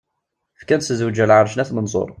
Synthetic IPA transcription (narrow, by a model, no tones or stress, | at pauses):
fkænszəwd͡ʒælʕəɾˤʃnæθmənzˤo̰ɾˤ